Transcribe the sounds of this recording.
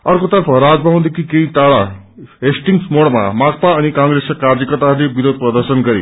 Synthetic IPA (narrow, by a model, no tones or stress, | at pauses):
ʌrkot̪ʌrpʰʌɾad͡zbʱaw̃nd̪ekʰikeiʈaɽa | ɦesʈiŋɡsmoɽma̰mak̚paʌnikãŋɡɾesakaɾd͡zʌkʌt̪alebiɾod̪̚prʌd̪ʌrsʌnɡʌɾḛ